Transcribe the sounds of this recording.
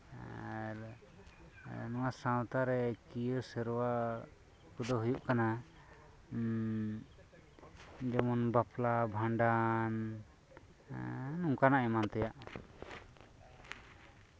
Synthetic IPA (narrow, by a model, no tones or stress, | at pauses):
nɔwasãwt̪aɾɛkijəsɛɾwa | kud̪ɔɦujuʔkana | d͡ʒɔmɔnbaplabʱãɳɖan | nuŋkanaʔɛmant̪ɛjaʔ